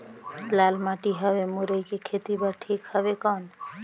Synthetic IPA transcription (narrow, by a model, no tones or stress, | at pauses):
lalmaʈiɦəbemuɾəikekʰet̪ibəʈʰiːkhəbekəːn